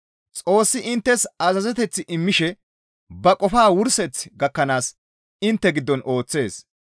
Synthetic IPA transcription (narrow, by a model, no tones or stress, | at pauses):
t͡sʼo̞ːsːɪʔɪnt̪ːɛsɐzɐzɛt̪ɛt͡sːɪʔɪmːɪʃɛ | bɐkʼɔfaːwʊɾsɛt͡sːɡɐkːɐnaːs | ɪnt̪ːɛɡɪd̪ːɔnʔo̞ːt͡sːe̞ːs